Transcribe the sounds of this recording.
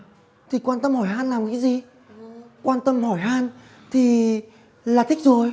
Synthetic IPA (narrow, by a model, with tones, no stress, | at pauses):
t̪ʰi˨˩kwaː˧nt̪ə˧mhɔ˧˩jɦaː˧nlaː˨˩mkaː˨˦jzi˨˩ | kwaː˧nt̪ə˧mhɔ˧˩jɦaː˧n | t̪ʰi˨˩ | laː˨˩t̪ï˦˥k̟̚zo˨˩j